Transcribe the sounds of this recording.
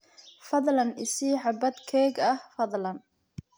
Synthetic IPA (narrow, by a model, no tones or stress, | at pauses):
fɐðlɐnɪsiːʕɑbɐd̪kʰɛːɡɐhfɐðˤlɐn